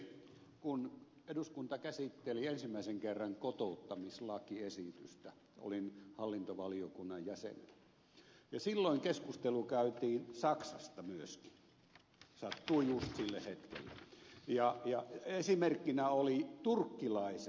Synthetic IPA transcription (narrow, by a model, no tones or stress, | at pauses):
kun | eduskunt̪ɑkæsit̪ːeliensimːæiseŋkerːɑŋkot̪out̪ːɑmislɑkiesit̪yst̪æ | o̰linhɑlːint̪oʋɑliokunːɑjjæsḛnḛl | jɑsilːoiŋkeskust̪elukæyt̪iːnsɑksɑst̪ɑmyøski̥ | sɑt̪ːuijust̪silːḛhet̪kḛlːḛjɑjɑesimerkːinæolit̪urkːilɑis